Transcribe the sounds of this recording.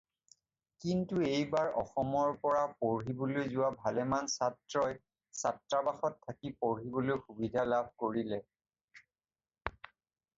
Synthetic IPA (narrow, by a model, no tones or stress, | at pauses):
kintuejbaɹɔ̰xɔmɔɹpɔɹapoɹɦibolojzʊwabʱalɛmansatɹɔj | satɹabaxɔtʰːakipoɹɦibolojxubidʱalabʱkoɹilɛ